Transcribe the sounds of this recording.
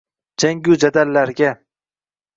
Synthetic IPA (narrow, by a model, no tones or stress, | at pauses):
d͡ʒaŋɡʲud͡ʒad̪alːaɾɡʲa